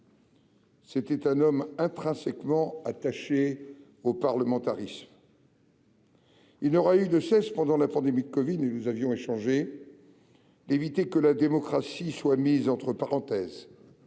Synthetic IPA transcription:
set̪ɛt̪ɛ̃nɔmɛ̃t̪χɛ̃sɛkmɑ̃at̪aʃe | opaʁləmɑ̃t̪aʁism | ilnɔʁayd̪əsɛspɑ̃d̪ɑ̃lapɑ̃d̪emid̪əkɔvid̪enuzavjɔ̃eʃɑ̃ʒe | d̪evit̪ekəlad̪emɔkχasiswamizɑ̃t̪χəpaʁɑ̃t̪ɛːz

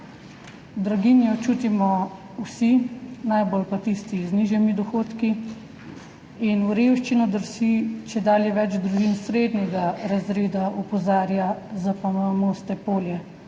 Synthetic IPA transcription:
d̪ɾaɡinjɔt͡ʃuːt̪imɔ | wsinajbolpat̪ist̪izniːʒjɛmid̪ɔxoːt̪ki | inuɾewʃt͡ʃinɔd̪əɾsit͡ʃɛd̪aːljɛʋɛd͡ʒd̪ɾuʒinsɾed̪nɛɡaɾazɾeːd̪aʔupɔzaːɾjazapamoːst̪ɛpoːljɛ

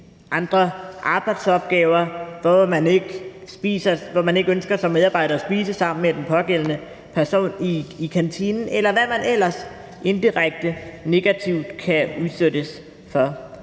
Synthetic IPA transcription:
ʔɑ̈nd̥ʁɐʔɑ̈ːb̥ɑ̈ɪd̥sɒ̽b̥̚ɡ̥ɛːʊɐʋɒmæne̝ɡ̥b̥iːsɐʋɒmæne̝ɡ̥ønsɡ̥ɐsɒ̽mːeð̞ˠɑ̈b̥ɑ̈ɪɾɐæsb̥iːsəsɑ̈m̰n̩med̥enpʰɒ̽ɡ̥el̰ənə | pʰæɐso̝̰ːniːkʰænt͡sʰinn̩ʔelɐʋæmænel̰ɐs | ʔe̝nd̥iʁɑɡ̥̚d̥əne̝ɡ̥æt͡sʰiʊd̥kʰæuðˠsøɾ̥əs | fɒ̽

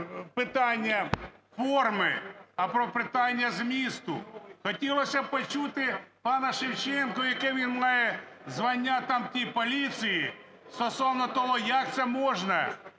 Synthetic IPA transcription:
pɪt̪ɑnʲːɐfɔrmɪɐpɾɔpɪt̪ɑnʲːɐzmʲist̪ʊ̰xɔtʲilˠɔsʲɐpɔt͡ʃut̪ɪpɑnɐʃɪwt͡ʃɛnkɔjɐkɛʋʲinmɑjɛ | zʋɐnʲːat̪ɑmtʲipɔlʲisʲiji | st̪ɔsɔwnɔt̪ɔɦɔjɐk̚t̪sɛmɔʒnɐ

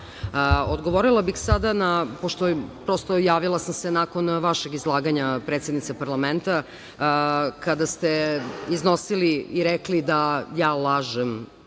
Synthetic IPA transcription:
od̪ɡo̞ʋoɾilˠabixsad̪anapoʃt̪opɾo̞st̪ojaːʋilˠasamsenaːko̞nʋaʃe̞ɡizlˠaːɡaɲapɾeːt̪sjed̪nit̪sepaɾlament̪a | kad̪ast̪eizno̞siliiɾeklid̪ajaːlˠaːʒem

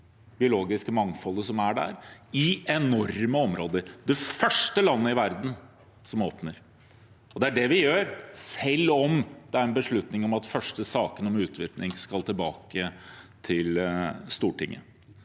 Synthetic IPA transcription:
bɪʊloːɡɪskəmɑŋfɔlːəsɔmæɖæ̰ɾɪɛnɔɾməɔmɾoːd̪əɾd̪ɛfœʂʈəlɑnːəɪʋæɾd̪n̩ | sɔmoːpnəɾ | ɔd̪ɛæɖɛʋɪjøːɾsɛlːɔmd̪ɛæɾɛnbəʂɭʉt̪nɪŋɔmɑt̪fœʂʈəsɑːkənɔmʉːt̪ʰʋɪɾt̪nɪŋskɑlt̪ʰɪlbɑːkət̪ʰɪlst̪uːʈʰɪŋːə̰

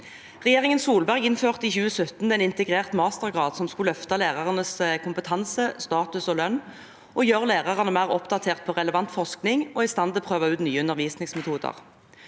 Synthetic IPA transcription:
ʁɛjeːʁɪŋənsuːlbæʁɪnføːʁt̪ɪçʉːəsœt̪n̩ɛnɪnt̪əɡʁeːʁt̪mɑːst̪əʁɡʁɑːd̪sɔmskʉlœft̪ɑleːʁɑʁənəskʰʊmpət̪ʰɑnsəst̪ɑːt̪ʉsɔlœnː | ʔɔjøːʁleːʁɑʁɑnəmæːʁɔpd̪ɑt̪ʰeːʁt̪̚pʰɔːʁɛləʋɑnt̪fɔʁsknɪŋoːɪst̪ɑnd̪ɪlpʰʁøːʋɑʉːt̪nyːəʉnəʁʋiːsnɪŋsmɛt̪ʰuːd̪ə̰ʁ

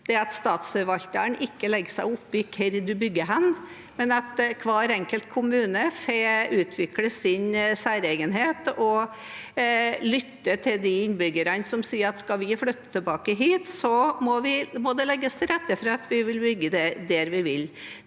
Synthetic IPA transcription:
d̪̥ɛɑt̪st̪ɑːt̪sfəʋɑlt̪əənʔɪkːəlɛɡəsæɪʊpːɪkʰɛɾd̪ʉbʏɡːəɦɛn | mɛnɑt̪kʰʋɑːɾɛŋkəlt̪̚kʰʊmʉːnəfeʉːt̪ʰʋɪkləsɪnsæːɾɛːɡənɦeːt̪ɔ | lʏt̪ːət̪ʰɪld̪ɪɪnːbʏɡəɾənsɔmsiːəɾɑt̪skɑʋɪflʉt̪ːə̥t̪ʰəlbɑːkəɦiːt̪sɔmɔʋɪmɔd̪ɛlɛɡːəst̪ɾɛt̪ːəfɾɑɑt̪ʋɪʋɪlbʏɡːəd̪ɛd̪ɛɾʋɪʋɪl

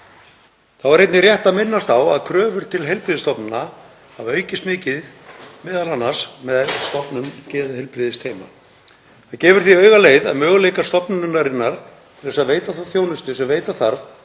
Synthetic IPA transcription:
θawvaɾejt̪nɪrjɛht̪aðmɪnːast̪awa̰ðkʰɾœːvʏɾ̥t̪ʰɪlɦejlpɾɪðɪst̪ɔpnʏna | avœːɥcɪst̪mɪːcɪð | mɪːðalanːasmɛðst̪ɔpnʏmcɛːðʏhɪlpɾɪðɪst̪ʰeːjma̰ | θaðcɛːvʏɾ̥θiœːɥɣaleːjða̰ðmœːɣʏlejkast̪ɔpnʏnːaɾɪnːaɾ̥ | t̪ʰɪlðɛsaðveːjt̪aθaθjoːwnʏst̪ʏsɛmveːjt̪aθaɾv

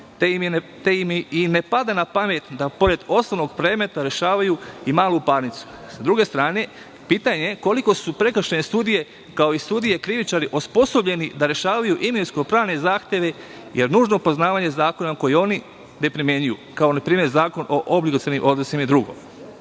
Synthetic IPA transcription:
t̪eimine̞pad̪anapame̞t̪d̪apo̞ɾe̞d̪o̞snono̞ɡpɾe̞ːme̞t̪aɾe̞ʃaːʋajuimaːlupaɾnit̪su̥sad̪ɾuɡe̞st̪ɾaːne̞ | piːt̪aɲe̞ko̞liko̞supɾe̞kɾʃenest̪uːd̪ije̞ | kao̞ist̪uːd̪ije̞kɾiʋit͡ʃaɾiʔospo̞so̞bʎe̞nid̪aɾe̞ʃaːʋajuʔiminskopɾaːʋne̞zaːxt̪e̞ʋe̞ | jeɾnuːʒno̞po̞znaːʋaɲe̞zaːko̞nako̞jio̞ni | nepɾimjeɲujukao̞napɾiːmje̞ɾzaːko̞nʔo̞ʔoblikot̪eɾnimʔo̞d̪nosimaid̪ɾuɡo̞̰m

